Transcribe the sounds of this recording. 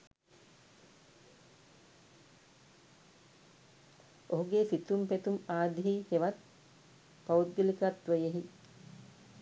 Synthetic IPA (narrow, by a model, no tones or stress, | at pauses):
oɦuɡesit̪umpet̪umaːd̪iɦiheʋat̪̚ | paut̪̚ɡilikat̪ʋejeɦi